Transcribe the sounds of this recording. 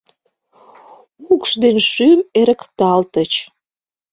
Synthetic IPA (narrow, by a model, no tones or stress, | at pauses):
ukʃd̪enʃymeɾəkt̪ɑlt̪ət͡ɕ